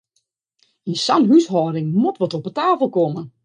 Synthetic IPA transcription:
insanɦysɦɔːɾɪŋmotʋɔtɔpətaːfəlˠkɔmə

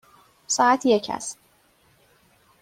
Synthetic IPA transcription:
sɒːæt̪ʰjecʰæ̰st̪

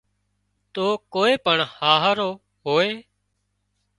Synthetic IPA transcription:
t̪oːkoːeːpəɳhaːɦɾoː | ɦoːeː

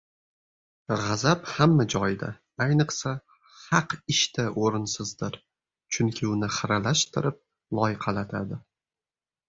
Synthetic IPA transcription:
ʁɑzaphamːad͡ʒɒjd̪a̰ | ajnɨqsa | hɑqɪʃt̪ʰaʔoɾɪnsɪzd̪ɪɾ | t͡ʃʰʊŋkʲʰɪʊnɪχɨɾalaʃt̪ʰɪɾɪp̚ | lˠɒjɪqʰɑlat̪ʰad̪ɪ

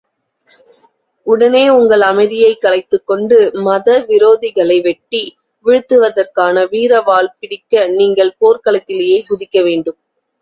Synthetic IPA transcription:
ʊɽɐneːʊŋɡɐɭɐmɐɪðɪjɐɪkːɐlɐɪt̪ːɯkːɔɳɖɯmɐðɐʋɪɾoːðɪɣɐɭɐɪʋɛʈːi | ʋɪɻɯt̪ːɯʋɐðɐrkaːnɐʋiːɾɐʋaːɭpɪɽɪkːɐniːŋɡɐɭpoːɾkɐɭɐt̪ːɪlɐjeːsʊðɪkːɐʋeːɳɖɯm

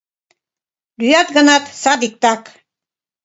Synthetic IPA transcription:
lyjɑt̪ɡɑnɑt̪sɑd̪ik̚t̪ɑk

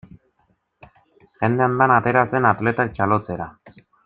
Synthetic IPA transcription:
ʝe̞nd̪e̞and̪anat̪e̞ɾase̞nat̪le̞t̪ak̚t͡ʃalo̞t͡se̞ɾa

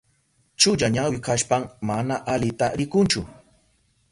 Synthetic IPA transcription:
t͡ʃʊʎaɲawɪkaʃpaŋmanaʔalɪt̪aɾɪkʊnt͡ʃʊ

